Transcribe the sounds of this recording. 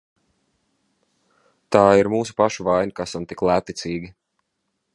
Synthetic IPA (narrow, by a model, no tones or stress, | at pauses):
t̪aːiɾmuːs̬u̥paʃuvajnʲikasamt̪iklˠæːt̪it̪siːɡʲi